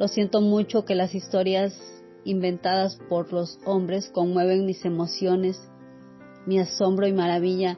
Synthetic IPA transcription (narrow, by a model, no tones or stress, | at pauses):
lʔo̞sje̞nt̪omut͡ʃo̞ke̞lasist̪o̞ɾjas | imbẽ̞nt̪aðaspo̞ɾloso̞mbɾe̞skonmwe̞β̞e̞ŋmise̞mo̞sjo̞ne̞s | miaso̞mbɾoimaɾaβiʎa